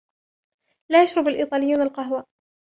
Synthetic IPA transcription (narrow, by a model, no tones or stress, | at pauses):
laːjaʃɾˤʊbalʔiːt̪ˤɑːlɪjːuːnalqɑɦwa